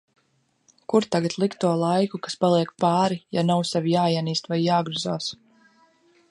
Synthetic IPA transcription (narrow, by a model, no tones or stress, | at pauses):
kuɾt̪aɡat̪lˠikt̪uɔlˠajkukḁspalˠiɛk̚paːɾijanawsɛvijaːiɛniːst̪vajːaːɡɾuzaːs